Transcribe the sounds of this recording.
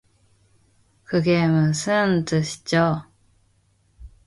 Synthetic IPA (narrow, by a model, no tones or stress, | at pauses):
kɯɡemɯsʰɯntɯɕʰi̥t͡ɕo